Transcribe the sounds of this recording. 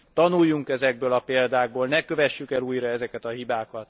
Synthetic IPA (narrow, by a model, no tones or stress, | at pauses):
t̪ːɒnujːuŋkɛzɛɡ̚bøːlɒpeːld̪aːɡ̚boːlnɛkø̞vɛʃːykɛluːjɾɒɛzɛkɛt̪ɒɦibaːkɒt̪